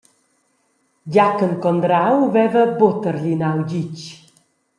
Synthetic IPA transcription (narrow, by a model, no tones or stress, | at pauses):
ɟakəŋkɔnd̪ɾawvɛvəbot̪əɾʎinawd͡ʑit͡ʃ